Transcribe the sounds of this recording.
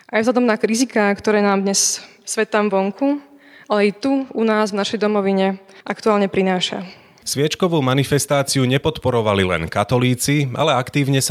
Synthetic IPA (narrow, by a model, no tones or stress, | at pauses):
ʔajvzlad̪ɔmnakɾizikaːkt̪ɔɾɛːnaːmd̪ɲɛssʋɛt̪ːamʋɔŋkʰuʔalɛjɛt̪uunaːzvnaʃɛjd̪ɔmɔʋiɲɛʔakt̪uaːlɲɛpɾinaːʃa̰ | sʋɪɛt͡ʃkɔʋuːmanifɛst̪aːt͡siuɲɛpɔt̪pɔɾɔʋalilɛ̰nkat̪ɔliːt͡sia̰lɛakt̪iːʊɲɛs